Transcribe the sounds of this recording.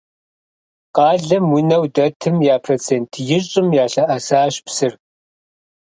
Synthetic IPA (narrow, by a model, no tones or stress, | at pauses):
qɑːɮɐmwʊnɐwdɐtʰɨmjaːpʰrɐt͡sʰeːntʰjɪɕʼɪmjaːɬɐʔɐsaːɕpsɨr